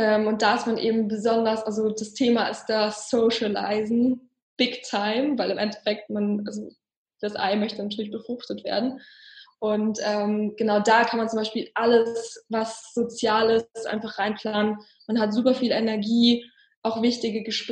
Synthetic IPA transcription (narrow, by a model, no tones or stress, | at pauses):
ʔɛːmʊnt̚d̥aːɪstmanʔḛːbm̩bəzɔndɐsʔalzod̥astʰeːmaʔɪst̚d̥asoʃəla̰ɪzn̩ | b̥ɪktʰaɪmvaɪlɪmʔɛntʰɛ̥fɛk̚tmanʔalzo | d̥asʔa̰ɪmœçtənatʰyːɐlɪçb̥əfʁ̥ʊχtətv̥ḛːɐdn̩ʔʊntʔɛːmɡ̥ənaʊdaːkʰanmant͡sʊmbaɪʃpiːlʔaləsvasz̥ot͡sjaːlɪsʔa̰ɪnfaχʁ̥aɪnpʰl̥aːnən | manɦatz̥uːpɐfiːlɛnɛɐɡiː | ʔaʊxv̥ɪçtɪɡəɡəʃp